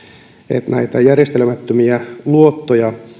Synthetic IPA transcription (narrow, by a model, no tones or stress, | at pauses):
ḛt̪næit̪ɑjærjest̪elmæt̪ːømiæluot̪ːojɑ